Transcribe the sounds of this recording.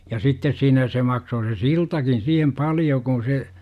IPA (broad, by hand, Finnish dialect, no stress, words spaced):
jɑ sitːes siːnæ se mɑksoː se siltɑkin siːhem pɑljo kũː se